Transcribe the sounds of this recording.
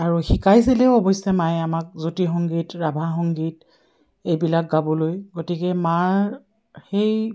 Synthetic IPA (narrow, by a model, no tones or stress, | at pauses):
aɹuxikajs̬ilɛʊɔbɔjsɛmajamak̚zutixɔŋɡitɹabʱaxɔŋɡit | ejbilak̚ɡabɔlojɡotikɛmaɹ | xej